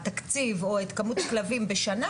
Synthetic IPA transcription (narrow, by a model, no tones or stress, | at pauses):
t̪akt͡sivo̞et̪kamut̪klavimbeʃana